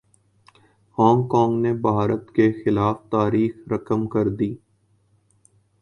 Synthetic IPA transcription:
hɔ̃ːŋkɔ̃ːŋɡnebʱaːɾət̪kexɪlaːft̪aːɾiːxɾɐkəmkɐɾd̪iː

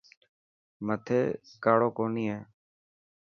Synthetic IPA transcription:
mət̪ʰeːkaːɽoːkoːniːɦeː

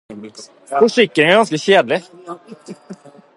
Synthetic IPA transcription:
fʊʂɪkːəɾɪŋæɾɡɑnskəɕeːd̪lɪ

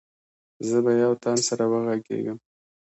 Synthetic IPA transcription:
zəbajawt̪ɑnsaɾawəɣaɡḛɡəm

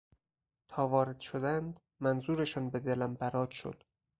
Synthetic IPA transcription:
t̪ʰɒːvɒːɾed̪̥ʃod̪ænd̪ | mænzuːɾeʃɒːnbed̪elæmbæɾɒːd̪ʃo̰d̪̥

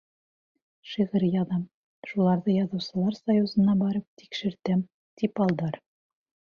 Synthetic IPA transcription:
ʃiʁɘɾjɑðɑm | ʃulˠɑɾðɤjɑðɤ̆wsɤ̆lˠɑɾsɐjuzɤ̆nɑbɒɾɤp̚t̪i̥kʃɘ̆ɾt̪æm | t̪ipɒlˠd̪ɑɾ

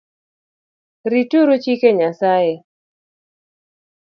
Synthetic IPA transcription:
ɾituɾot͡ʃikeɲasaje

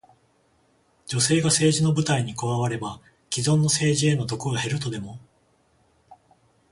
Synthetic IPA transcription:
d͡ʑo̞se̞ːɡase̞ːʑino̞bɯ̟t̪aiɲ̟ikoβaβaɾe̞ba | kʲizõ̞nːo̞se̞ːʑie̞no̞t̪o̞kɯ̟ɡahe̞ɾɯ̟t̪o̞d̪e̞mo̞

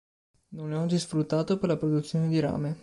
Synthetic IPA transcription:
noneɔd͡ʒːisfɾut̪ːaːt̪operlapɾod̪ut̪sːjoːned̪iɾa̰ːme

